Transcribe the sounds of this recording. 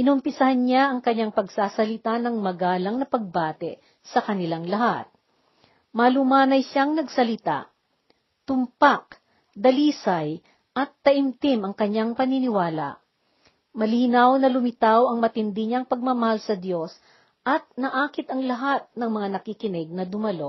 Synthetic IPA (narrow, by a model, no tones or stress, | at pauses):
ʔɪnʊmpɪsɐhanɲaʔɐŋkɐɲːaŋpɐɡsaːsɐlɪt̪anɐŋmɐɡaːlɐŋnɐpɐɡ̚baːt̪ɛ | sɐkɐnɪlaŋlɐɦa̰t̪̚ | mɐlʊmaːnɐjʃaŋnɐɡsɐlɪt̪a̰ʔ | t̪ʊmpak̚ | d̪ɐliːsɐj | ʔɐt̪ːɐʔɪmt̪ɪmɐŋkɐɲːaŋpɐninɪwaːla̰ʔ | mɐliːnɐwnɐlʊmɪt̪awɐŋmɐt̪ɪnd̪ɪɲaŋpɐɡ̚mamɐhalsɐd̪jo̞s | ʔɐt̪̚nɐʔaːkɪt̪ɐŋlɐɦat̪̚nɐŋmɐŋanɐkikɪnɛɡ̚nɐd̪ʊmɐlo̞